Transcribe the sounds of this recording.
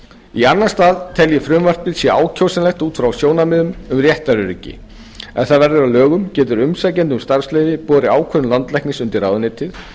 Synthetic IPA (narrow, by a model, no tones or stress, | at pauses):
ianːḁst̪aːðt̪ʰɛljɛfɾʏmvar̥t̪̚pɪlsjɛaːwcʰowsɪnlɛxt̪uːt̪fɾawsjoːwnamɪðʏmʏmrjɛht̪aɾʏɾɪcːɪ̰ | ɛ̰nθaðvɛɾðɪɾawlœːɣʏmcɛːt̪ʏɾʏmsajcɛnt̪ʏmst̪aɾ̥sleːjvɪpɔːɾɪaːwkʰœðʏlant̪lɛhknɪsʏnt̪ɪɾraːwðʏnɪːt̪ʰɪð